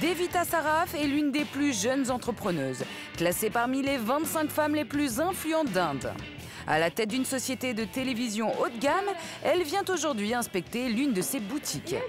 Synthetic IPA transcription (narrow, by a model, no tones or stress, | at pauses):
d̪evit̪asaʁafɛlynd̪eplyʒœnzɑ̃t̪χəpχənøːz | klasepaʁmilevɛ̃t̪sɛ̃kfamleplyzɛ̃flyɑ̃t̪̚d̪ɛ̃d̪ | a̰lat̪ɛt̪̚d̪ynsɔsjet̪ed̪ət̪elevizjɔ̃ʔot̪ɡam | ɛlvjɛ̃t̪oʒuʁd̪ɥiɛ̃spɛk̚t̪elynd̪əsebut̪ʰikʲ